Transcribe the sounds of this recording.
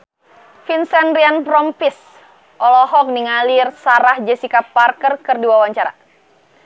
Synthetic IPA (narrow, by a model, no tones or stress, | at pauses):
finsɛnɾianpɾɔmpis | ʔɔlɔɦɔk̚niŋalirsaɾahd͡ʒəsikapːarkərkɨrduwawaɲt͡ʃaɾa̰